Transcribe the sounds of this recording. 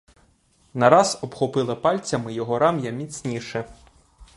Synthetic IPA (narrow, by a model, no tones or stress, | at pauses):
nɐɾɑzɔbxɔpɪlˠɪpɑlʲt͡sʲɐmɪjɔɦɔɾɑmjɐmʲit͡sʲnʲiʃɛ